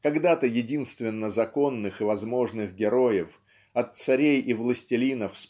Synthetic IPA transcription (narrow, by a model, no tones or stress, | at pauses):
kɐɡd̪at̪əjɪdʲinst̪vʲɪnːəzɐko̞nːɨxɨvɐzmo̞ʐnɨxɡʲɪɾo̞jɪf | ɐt̪sɐɾʲejʔɪvlˠəsʲtʲɪlʲinəfs